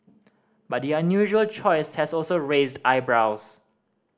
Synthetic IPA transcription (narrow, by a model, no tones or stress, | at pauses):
bat̚diãnjuʒuəlt͡ʃʰɔɪshɛsɔlsoɹezdaɪbɹaʊs